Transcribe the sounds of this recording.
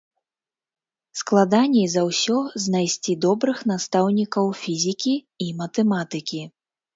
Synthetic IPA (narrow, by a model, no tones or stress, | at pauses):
sklˠad̪anʲɛjzɐwsʲɔzʲnajsʲt͡sʲid̪ɔbɾɨxnast̪awnʲikɐwfʲizʲikʲi | imɐt̪ɛmat̪ɨkʲi